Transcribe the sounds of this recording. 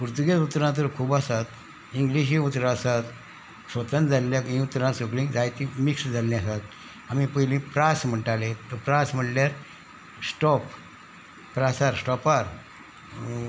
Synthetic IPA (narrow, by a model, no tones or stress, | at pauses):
puɾt̪uɡeut̪ɾãt̪̬əɾkʰuːbasat̪ | iŋɡliɕ̬iut̪ɾaːsat̪ | sʋət̪ənd͡zalːakĩut̪ːɾãsoklĩd͡zajt̪ĩmiksd͡zaljasat̪ | amĩpəɦlĩpɾasm̤əɳʈalet̪ɔpɾasm̤əʈljaɾ | sʈɔpː | ɾasaɾsʈɔpaɾ